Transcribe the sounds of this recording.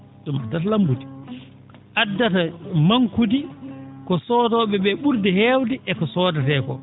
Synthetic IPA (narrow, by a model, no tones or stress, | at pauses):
dumadːatalambudi | ʔadːatamaŋkudikɔsɔːtɔɓɛɓɛɓuɾdɛhɛːwdiʔɛkɔsɔːdatɛkɔ